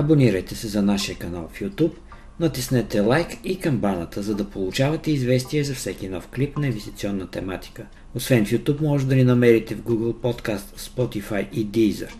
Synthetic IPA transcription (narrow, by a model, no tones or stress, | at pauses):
ɐboniɾəjt̪ɛsɛzɐnaʃijəkɐna̰lˠfjut̪up | nɐt̪isnɛt̪ɛlˠajkikɐmbanət̪əzɐd̪ɐpolˠʊt͡ʃavɐt̪ɛizvɛst̪iɛzɐfsɛk̟inɔfklipnɐĩnvɛst̪it̪siɔnːət̪ɛmat̪i̥kə | osvɛnfjut̪upmɔʒɛd̪ɐninɐmɛɾit̪ɛvɡuɡəlˠpɔt̪kast̪spɔt̪ifajʔid̪izə̰ɾ